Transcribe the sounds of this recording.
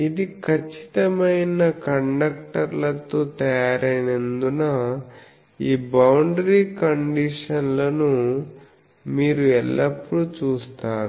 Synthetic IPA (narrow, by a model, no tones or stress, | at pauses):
id̪ikʰɐt͡ʃːi̥t̪ɐmɐjnɐkɐɳɖɐk̚ʈɐɾlɐt̪oːt̪ɐjaːɾɐjnend̪unɐ | iːbɐwɳɖɾiːkɐɳɖiʂɐnlɐnu | miːɾuɛlːɐpːuɽut͡ʃuːst̪aːɾu